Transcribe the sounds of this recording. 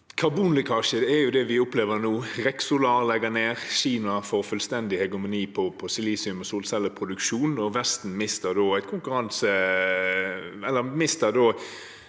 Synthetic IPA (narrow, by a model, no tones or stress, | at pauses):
kʰɑbuːnlɪkʰɑʃəd̪ɛɛjʊd̪ɛʋɪʊpleːʋəʁnuːʁɛksʊlɑʁlɛɡəneːʁɕiːmɑfɔʁfʉlst̪ɛnd̪ɪhɛɡʉmʊniːpʰɔpʰɔsɪliːsɪʉmɔsuːlsɛlːəpʰʁʊd̪ʉkʃuːnɔʋɛst̪n̩mɪst̪əʁd̪oːæɪt̪kʰʊŋkʉʁɑnsə | ɛlːəmɪst̪əd̪oː